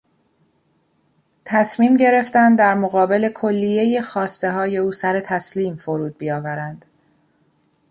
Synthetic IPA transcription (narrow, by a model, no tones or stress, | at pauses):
t̪ʰæsmiːmɟe̞ɾe̞ft̪ænd̪d̪æɾmoɣɒːbe̞le̞kʰo̞lːije̞jexɒːst̪e̞ɦɒːje̞uːsæɾe̞t̪ʰæsliːmfoɾuːd̪̚bijɒːvæɾænd̪̥